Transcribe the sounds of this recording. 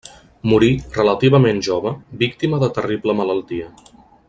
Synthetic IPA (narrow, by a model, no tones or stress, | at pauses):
muɾirələt̪iβ̞əmenʒoβəbikt̪iməðət̪əribləmələlˠt̪iə